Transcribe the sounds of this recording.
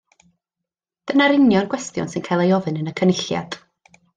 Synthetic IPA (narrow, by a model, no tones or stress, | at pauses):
d̥ənaɾɪnjɔnɡwɛstjɔ̰nsɨnkʰajlˠejɔvɨnənəkʰənɪɬja̰d̥